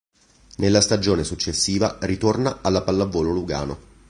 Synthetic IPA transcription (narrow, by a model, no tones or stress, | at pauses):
nelːast̪ad͡ʒoːnesut͡ʃːesːiːvarit̪ornaalːapalːavːɔːloluɡa̰ːno